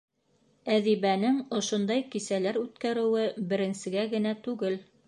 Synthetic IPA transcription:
æðiβænɘŋŏʃŏnd̪ɑjkisælæɾʉt̪kæɾɘ̆wɘbɘ̆ɾɘ̆nsɘ̆ɡæɡɘ̆næt̪ʉɡɘl

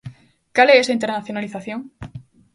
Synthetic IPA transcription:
kaleesaint̪eɾnaθjonaliθaθjõŋ

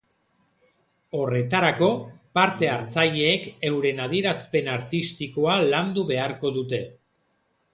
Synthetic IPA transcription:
o̞re̞t̪aɾako̞paɾt̪e̞aɾt͡saʎe̞ːke̞wɾe̞nað̞ieɾaspe̞naɾt̪ist̪iko̞aland̪uβe̞aɾko̞ðut̪e̞

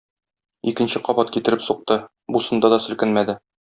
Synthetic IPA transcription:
ikɘ̆nɕɘqɒbɑt̪kit̪ɘ̆ɾɘpsuq̚t̪ɤ | busɤ̆nd̪ɑd̪ɒsɘ̆lkɘnmæd̪ɘ

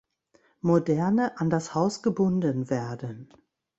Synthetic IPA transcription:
modɛɐnəʔandashaʊsɡ̥əbʊndənveːɐdən

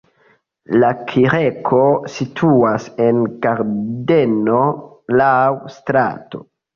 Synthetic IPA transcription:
lakʰiɾekʰo̞sitʰuase̞nɡaɾde̞no̞ | lawstɾa̰to̞̰

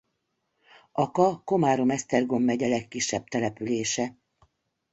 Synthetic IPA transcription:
ɒkɒko̞maːɾomɛst̪ɛrɡo̞mːɛɟɛlɛkːiʃːɛb̚t̪ɛlɛpyleːʃɛ

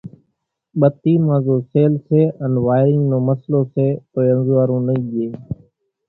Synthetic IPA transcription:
ɓət̪iːmãːzoːseːlseːənʋaːɪɾɪ̃ŋnõːməsloːseːt̪oːənzːaːɾũːnəĩːʄeː

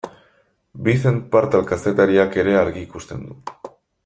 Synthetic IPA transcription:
bisempaɾt̪alkase̞t̪aɾiake̞ɾe̞aɾɣiːkust̪e̞nd̪u

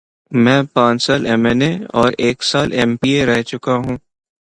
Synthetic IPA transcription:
mɛ̃ːpãːt͡ʃsaːlɛmɛneɔːɾeːksaːlɛːmpieɾɛɦt͡ʃʊkaɦũː

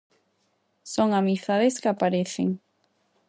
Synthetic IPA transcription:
soŋamiθaðeskɪapaɾeθḛŋ

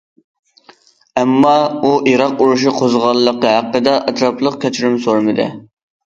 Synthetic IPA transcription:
ɛmːɑuʔiɾɑquɾuʃiqʰozʁɑlˠːəqəɦæqːəd̪ɛʔɛt̪ʰɾɑplˠəqkʲʰɛt͡ʃʰyɾymsoɾmɨd̪ɨ̰

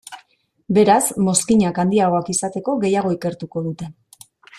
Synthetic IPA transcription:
be̞ɾazmo̞skiɲakand̪iaɣo̞akisat̪e̞ko̞ɣe̞jaɣ̞o̞ike̞ɾt̪uko̞ðut̪e̞

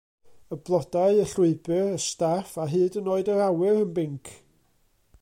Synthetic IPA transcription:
əblˠɔdaɨəɬʊɨbɨrəstafaɦɨːdənoːɨdəɾawɪɾənbɪŋkʰ

